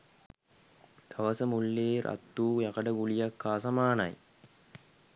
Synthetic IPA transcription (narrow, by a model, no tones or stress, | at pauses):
t̪ʰɐʋɐsəmuɭːeːɾʔɐ̰t̪ːuːjɐkɐɖɐɡulijɐkːaːsɐmaːnɐ̰j